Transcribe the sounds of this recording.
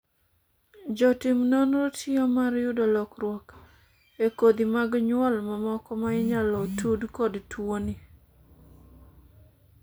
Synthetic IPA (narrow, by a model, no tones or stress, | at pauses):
d͡ʒɔtɪmnonɾotiomaɾjʊdɔlɔkɾwɔk | ekod̪imaɡɲwɔlmamɔkɔmaɪɲalɔtudkɔdtwoni